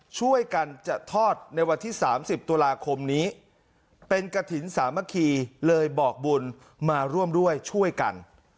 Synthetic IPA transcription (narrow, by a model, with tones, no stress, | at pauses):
t͡ɕʰu˥˩əjka˧nt͡ɕa˨˩t̪ʰɔː˥˩t̪̚na˧jwa˧nt̪ʰiː˥˩saː˩˦msi˨˩p̚t̪u˧laː˧kʰo˧mniː˦˥ | pe˧nka˧t̪ʰi˩˦nsaː˩˦mːa˦˥kʰiː˧lɤː˧jbɔː˨˩k̚bu˧n | maː˧ɾu˥˩əmdu˥˩əjt͡ɕʰu˥˩əjka̰˧n